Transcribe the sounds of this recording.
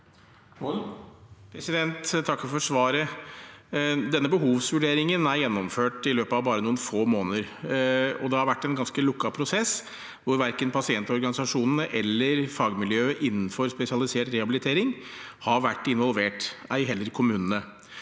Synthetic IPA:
pʰɾɛsɪd̪ɛnt̪t̪ʰɑkːfɔʂʋɑːɾə | d̪ɛnːəbəɦuːʋsʋʉɖeːɾɪŋənæɾjɛnːɔmføːʈɪløːpəɑʋbɑːɾənuːənfoːmoːnəɾ | ɔd̪ɛhɑɾʋæʈːɛnɡɑnskəlʊkːɑpʰɾʊsɛs | ʋʊɾʋæɾkənpʰɑsɪɛnt̪ɔɾɡɑnɪsɑʂuːnənəʔɛlːəɾfɑːɡmɪljøːəʔɪnːn̩fɔɾspɛsɪɑlɪseːʈɾɛhɑbɪlɪt̪ʰeːɾɪŋhɑɾʋæʈːɪnʋɔlʋeːʈæ̰ɪɦɛlːəɾkʰʊmʉːnənə

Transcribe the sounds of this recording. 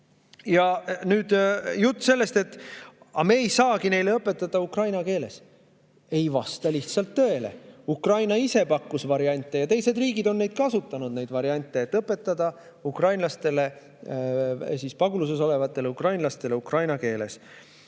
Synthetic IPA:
jɑnyːd̪̥jut̪ˑːse̞lːe̞st̪et̪ːˑ | ɑme̞ːjsɑːɡine̞jleɤpːˑe̞t̪ːˑɑd̪̥ɑukrɑjnɑke̞ːle̞̰s | e̞jvɑst̪ɑliht̪sɑlt̪ːø̞ele̞̰ukrɑjnɑise̞pɑkːusvɑɾiɑnʲt̪ˑːe̞jɑt̪e̞jse̞d̪riːɡid̪o̞nːe̞jd̪̥̚kɑsut̪ːˑɑnud̪̥ne̞jd̪vɑɾiɑnʲt̪ːˑeːt̪ːˑɤpːˑe̞t̪ˑːɑd̪̥ɑ | ukrɑjnlɑst̪e̞le̞ | siːspɑɡulus̬es̬o̞le̞vɑt̪ːˑe̞lukrɑjnlɑst̪e̞le̞ukrɑjnɑke̞ːle̞̰s

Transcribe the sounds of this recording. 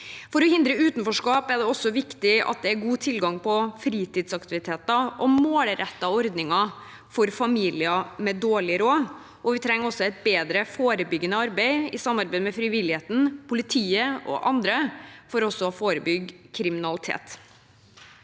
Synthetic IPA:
fɔɾɔhɪnd̪ɾəʉːt̪nfɔʂkɑːpæɖ̪ɛɔsːɔʋɪkt̪ɪɑ̰t̪̚d̪ɛæɾɡuːt̪ʰɪlɡɑŋpʰɔfɾiːt̪ɪːd̪sɑkt̪ɪʋɪt̪ʰeːt̪ɑʔɔmoːlɾɛt̪ːɑɔɾd̪nɪŋɑ | fɔɾfɑmiːlɪɑmɛd̪oːɭɪɾoː | ʔɔʋɪt̪ʰɾɛŋːəɔsːɔɛɪt̪̚beːd̪ɾəfoːɾəbʏɡːənəɑɾbæɪɪsɑmːɑɾbɛɪd̪mɛfɾɪʋɪlɪheːt̪n̩pʰʊlɪt̪ʰiːəʔɔ̰ʔɑnd̪ɾəfɔɾɔsːɔfoːɾəbʏɡkʰɾɪmɪnɑlɪt̪ʰḛːt̪

